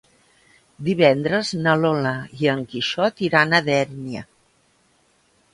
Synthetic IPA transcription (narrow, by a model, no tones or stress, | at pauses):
d̪iβ̞ɛnd̪ɾəznəloləiəŋkiʃɔt̪iɾanəðɛɾniə̰